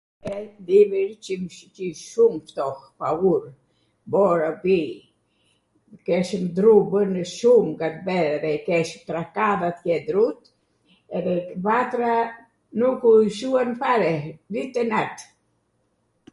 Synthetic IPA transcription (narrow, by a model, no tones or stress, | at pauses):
ɛnd̪imiɾt͡ʃimt͡ʃiʃumft̪ɔhpauɾ | bɔɾabi | kɛʃmd̪ɾubənəʃumɡat̪vɛɛðɛkɛʃmt̪ɾakaðat̪jɛd̪ɾut̪ | ɛðɛvat̪ɾa | nukuʃuanfaɾɛvit̪ɛnaɾt̪